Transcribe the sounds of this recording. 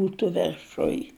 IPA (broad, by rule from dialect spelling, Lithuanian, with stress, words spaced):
ˈbuːtʊ ʋʲɛrˈʃʊj